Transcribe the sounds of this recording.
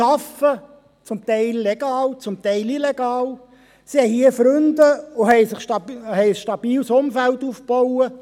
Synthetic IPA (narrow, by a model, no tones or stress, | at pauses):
ɑfə | t͡sʊmt̪ɛɪlːeɡ̥ɑːlt͡sʊmt̪ɛɪlilɛɡ̥ɑːl | sihɛjhiəfɾønd̪əʊɦɛɪsɪχʃtɑhɛɪəsʃtɑb̥iːlsʊmfæltuːfpɔʊə